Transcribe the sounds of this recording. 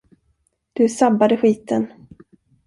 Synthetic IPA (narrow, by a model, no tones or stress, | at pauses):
d̪̥ɵsabːad̪əɧiːt̪ən